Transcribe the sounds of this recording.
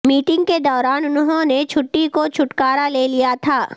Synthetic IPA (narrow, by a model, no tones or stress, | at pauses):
miːʈɪ̃ŋɡked̪ɔːɾaːnʊnɦõnet͡ʃʰʊʈːikot͡ʃʰʊʈkaːɾaleːlijat̪ʰaː